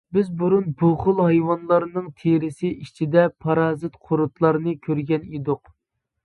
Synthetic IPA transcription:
bɪzbuɾunboχʊlˠɦɑjwɑnlˠɑɾnɨŋt̪ʰeɾɪsɪʔit͡ʃʰid̪ɛpʰɑɾɑːzɨt̪qʰoɾut̪lˠɑɾnɨkʲʰøɾɡʲɛnid̪ʊq

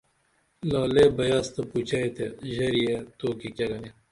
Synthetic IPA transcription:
laːleːbɐjaːst̪ɐput͡ɕɐet̪eʑɐɾijet̪oːkikʲɐɡɐne

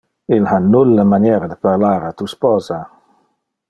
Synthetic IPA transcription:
ilhanːulːəmanjɛːɾad̪əpaɾlaːɾat̪uspɔːza

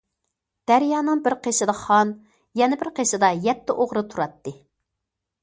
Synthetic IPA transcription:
d̪̥æɾjɑːnɨŋbɪɾqʰeʃɪd̪ɑχɑn | jɛnɪbɪɾqʰeʃɨd̪ɑjɛt̪ːɪʔoʁɾɨt̪ʰuɾɑt̪ːɨ

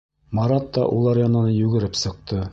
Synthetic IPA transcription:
mɑɾɑt̪ːɑ̰ʔulˠɑɾjɑnɑnɤjʉɡɘ̆ɾɘpsɤ̆q̚t̪ɤ

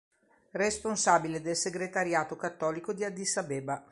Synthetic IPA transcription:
responsaːbiled̪elseɡɾet̪aɾjaːt̪okat̪ːɔːlikod̪iad̪isabeːba

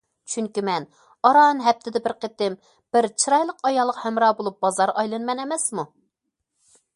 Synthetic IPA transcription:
t͡ʃʰyŋkʲymɛn | ɑɾɑnɦɛp̚t̪ʰɪd̪ɪbɪɾqʰet̪ɪm | b̥ɪɾt͡ʃʰiɾɑjlˠəqɑjɑlˠːəqhɛmɾɑːbolˠup̚b̥ɑzɑɾɑjlˠɨnmɛnɛmɛsmu

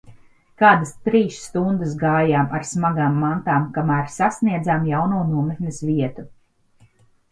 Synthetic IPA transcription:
kaːd̪ast̪ɾiːsːt̪und̪əs̬ɡaːjaːmaɾsmaɡaːmːant̪aːmkamæːɾsasniɛd̪zaːmjawnuːnuɔmek̪nʲesviɛt̪u

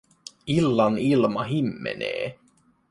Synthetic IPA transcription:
ilːɑnilmɑɦimːḛnḛː

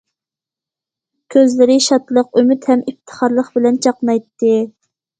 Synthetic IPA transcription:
kʲʰøzlɪɾɪʃɑt̪lˠəqømyt̪hɛmip̚t̪ʰə̥χɑɾlˠəχbɪlɛnt͡ʃʰɑqnɑjt̪ːɨ

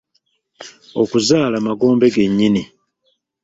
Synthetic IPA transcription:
okuzaːlamaɡo̞ːmbe̞ɡe̞ɲːini

